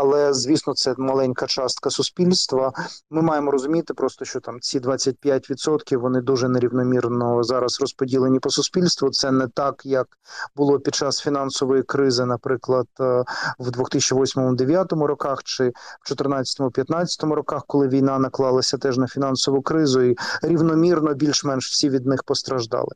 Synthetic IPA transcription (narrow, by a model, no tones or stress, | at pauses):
ɐlˠɛzʋʲisnɔt̪sɛmɐlˠɛnʲkɐt͡ʃɑst̪kɐsʊspʲilʲst̪ʋɐmɪmɑjemɔɾɔzʊmʲit̪ɪpɾɔst̪ɔʃt͡ʃɔt̪ɑmt͡sʲid̪ʋɑt͡sʲːɐt̚ʲpʲjatʲʋʲit̪sɔt̪kʲiwʋɔnɪd̪uʒɛneɾʲiwnɔmʲirnɔzɑɾɐsrɔspɔdʲilˠenʲipɔsʊspʲilʲst̪ʋʊt̪sɛnɛt̪ɑkjɐk | bʊlˠɔpʲid̪t͡ʃɑsfʲinɑnsɔʋɔjikɾɪzɪnɐpɾɪklˠɐd̪ʋd̪ʋʊxt̪ɪsʲt͡ʃɐʋɔsʲmɔmʊd̪eʋʲjat̪ɔmʊɾɔkɑxt͡ʃɪwt͡ʃɔt̪ɪrnɑt͡sʲɐt̪ɔmʊpʲjɐt̪nɑt͡sʲɐ̥t̪ɔmʊɾɔkɑxkɔlˠɪʋʲijn̪ɑnɐklˠɑlˠɐsʲɐt̪ɛʐnɐfʲinɑnsɔʋʊkɾɪzʊiɾʲiʋnɔmʲirnɔbʲilʲʃmɛnʃw̥sʲiʋʲid̪̚nɪxpɔst̪ɾɐʒd̪ɑ̰lˠɪ